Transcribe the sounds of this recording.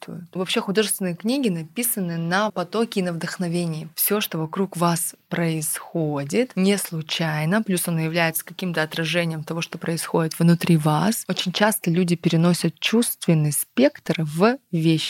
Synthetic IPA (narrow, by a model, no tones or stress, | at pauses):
t̪t̪vɐpɕːexʊd̪o̞ʐɨst̪vʲɪnəjknʲiɡʲɪnɐpʲisənːɨnɐpɐt̪o̞kʲɪinəvd̪əxnɐvʲenʲɪjɪfsʲoʂt̪o̞vɐkɾukvaspɾəɪsxodʲɪt̪nʲɪslˠʊt͡ɕæjnəplʲusɐnojɪvlʲæjɪt̪sə̥kɐkʲimt̪əɐt̪ɾɐʐɛnʲɪjɪmt̪ɐvo̞ʂt̪o̞pɾəɪsxo̞dʲɪt̪vnʊt̪ɾʲivaso̞t͡ɕɪnʲt͡ɕast̪əlʲudʲɪpʲɪɾʲɪno̞sʲət̪̚t͡ɕust̪vʲɪnːɨjspʲe̞kt̪rvvʲeɕːɪ